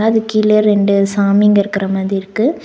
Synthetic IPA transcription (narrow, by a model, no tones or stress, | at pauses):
aɐðɯkiːleɾɛɳɖɯsaːmɪŋɡɐɪɾɯkːɪɾɐmaːðɾiɪɾɯkːɯ